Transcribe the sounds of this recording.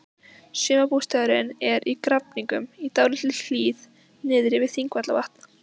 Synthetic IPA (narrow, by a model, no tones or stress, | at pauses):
sʏːmapust̪aɣɾɪnɛɾʔikɾapniŋkʏmit̪aːwlɪt̪ɪl̥iːð | nɪːðɾɪvɪðθiŋkvat̪lavaht̪̚n